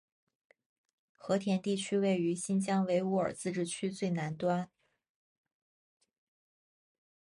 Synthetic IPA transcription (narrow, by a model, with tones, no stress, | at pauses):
xɤ˧˥t̪ʰjɛ˧˥nt̪i˥˩t͡ɕʰy˥we˥˩ɪy˧˥ɕi˥nt͡ɕjɑ˥ŋwe˧˥ɪu˧˥ə̰˞˨˩t͡sɹ̩˥˧ʈ͡ʂɻ̩˥˩t͡ɕʰy˥t͡swe˥˩ɪna˧˥nt̪wa˥n